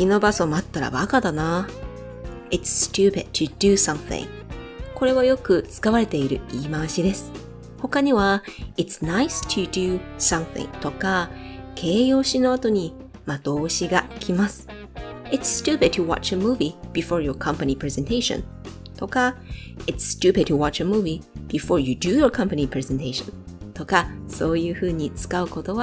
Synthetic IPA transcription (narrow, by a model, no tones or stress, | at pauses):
kino̞baso̞mat̪ːaɾa̰bakad̪ana | itsːtʉːpɪ̰d̪̥̚tʰɨd̪ɨsʌ̃mθɪ̰̃ŋ | ko̞ɾe̞βajo̞kɯ̟t͡sɨ̥kaβaɾe̞t̪e̞iɾɯ̟iːmaɕid̪e̞sɨ̥ | ho̞kaɲ̟iβaitsnaɪstʰɨd̪ɨsʌ̃mθḭ̃ŋt̪o̞kakʰe̞ːjo̞ːɕino̞at̪o̞ɲ̟i | mat̪o̞ːɕiɡakʲʰimasɨ̥ | ɪtsstʉːpɪd̪̚tʰuwa̰t͡ʃəmuːvib̥ifoɹjo˞kʰʌ̃mpanʲipɾezẽnt̪eɪʃõ̰n | t̪o̞ka | ɪtsːtʉːpɪd̪̚tɨwat͡ʃəmuːvib̥ifoːɹjɨd̪ɨjoɹkʰʌ̃mpanʲipɾezẽnt̪eɪʃõ̰n | t̪o̞kaso̞ːjɯhɯ̟ːɲ̟it͡sɨ̥kaɯ̟ko̞t̪o̞βa